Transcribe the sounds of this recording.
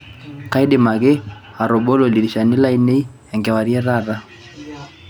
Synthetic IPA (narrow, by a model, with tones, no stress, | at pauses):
ka˦i˦dɛ˨ma˨ɣɛ˦ | a˨ɾɔ˨bɔ˦lɔ˨li˨ɾi˨ʃa˨ni˦la˦i˦nɛ˦i˦ | ɛ˨ŋɡɛ˨wa˨ɾi˦ɛ˦ɾa˦˨ɾa˦